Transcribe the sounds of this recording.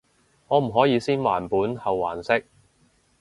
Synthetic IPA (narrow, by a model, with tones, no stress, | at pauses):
ŋɔː˨˧m̩˨˩ɦɔː˨˥jiː˨˧siː˥nwa̰ː˨˩npuː˨˥nhɐ˨wːa̰ː˨˩nsɪ˥k̚